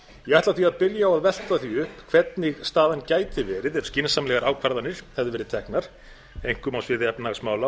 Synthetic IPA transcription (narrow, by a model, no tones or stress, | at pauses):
jɛɣaht̪aθiaðpɪljaɔwaðvɛl̥t̪aθiʏhpkʰv̥ɛt̪nɪɣst̪aːðancaːjt̪ɪvɛːɾɪðɛv̥scɪnsamlɛɣaɾʔaːwkʰvaɾðanɪɾ̥hɛvðɪvɛɾɪt̪ʰɛhknaɾ̥ | ejŋ̥kʏmawsvɪðɪɛpnaɣsmaːwla